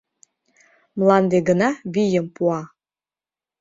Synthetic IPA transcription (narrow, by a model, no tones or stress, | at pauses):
mlɑnd̪eɡənɑβijəmpuɑ